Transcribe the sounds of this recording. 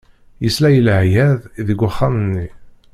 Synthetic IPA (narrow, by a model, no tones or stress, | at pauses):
jəslæjəlhjæðiðəɡʷəχːamənːi